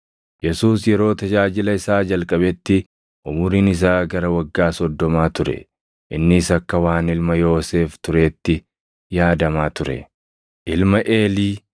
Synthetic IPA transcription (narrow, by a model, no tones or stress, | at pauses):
jɛsuːsjɛɾo̞ːt̪ɐd͡ʒaːd͡ʒɪlɐɪsaːd͡ʒɐlkʼɐbɛt̪ːɪ | ʔʊmʊɾinɪs̬aːɡɐɾɐwɐɡːaːsɔd̪ːɔmaːt̪ʊɾɛ̰ | ʔɪnːɪsɐkːɐwaːnɪlmɐjo̞ːse̞ːft̪ʊɾe̞ːt̪ːɪ | jaːd̪ɐmaːt̪ʊɾɛ̰ | ʔɪlmɐʔe̞ːliː